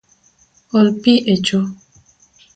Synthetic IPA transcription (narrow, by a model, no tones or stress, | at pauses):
ɔlpiʔet͡ʃo